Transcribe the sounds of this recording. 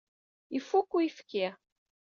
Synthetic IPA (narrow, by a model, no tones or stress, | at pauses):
ifukːuifki